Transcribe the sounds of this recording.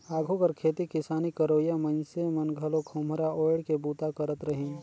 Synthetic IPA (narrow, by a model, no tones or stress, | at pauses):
aːɡʱokɐɾkʰeːt̪ikɪsaːnikəɾoːjamə̃nsemɐnɡʱɐlokʰʊmɾaoːɽkebuːt̪akəɾət̪ɾəɦĩ